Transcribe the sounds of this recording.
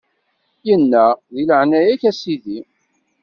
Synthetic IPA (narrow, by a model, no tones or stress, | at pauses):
jənːæðiləʕnæjæçæsiði